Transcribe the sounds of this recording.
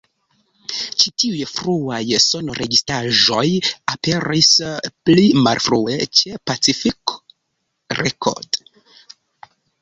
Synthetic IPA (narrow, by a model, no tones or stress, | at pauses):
t͡ʃitiujfɾuajso̞noɾe̞ɡistaʒo̞jape̞ɾisplimalfɾue̞̰t͡ʃe̞pat͡sifik | ɾekʰo̰ɾd̥